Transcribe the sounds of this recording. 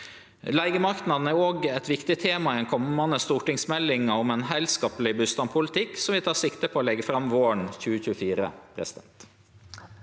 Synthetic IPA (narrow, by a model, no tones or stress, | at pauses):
læɪɡəmɑkt̪n̩ɑnæɾoːɡɛt̪ʋɪkt̪ɪt̪ʰeːmɑɪd̪ɛnkʰɔmɑnd̪əst̪uːʈɪŋsmɛlːɪŋɑɔmɛnɦæɪlskɑːplɪbʉst̪ɑmpʰʊlɪt̪ʰɪkːsɔmʋɪt̪ʰɑːʂɪkt̪əpʰoːlɛɡːəfɾɑmʋoːəɳçʉːəçʉːəfiːɾə̰pʰɾɛ̰sɪd̪ɛ̰nt̪